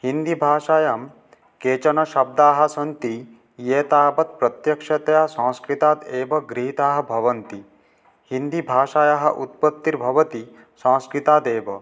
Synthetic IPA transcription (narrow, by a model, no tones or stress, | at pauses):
hind̪ibʱaːʃaːjɐm | keːt͡ʃɐnɐʃɐb̚d̪aːɦɐ̆sɐnt̪i | jeːt̪aːbɐt̪̚pɾɐt̪jɐkʂɐt̪ɐjasãːskɾit̪aːt̪eːʋɐɡɾiɦit̪aːɦɐ̆bʱɐʋɐnt̪i | hind̪ibʱaːʃaːjɐɦɐ̰̆ʔut̪̚pɐt̪ːiɾbʱɐʋɐt̪i | sɐ̃ːskɾit̪aːd̪eːʋɐ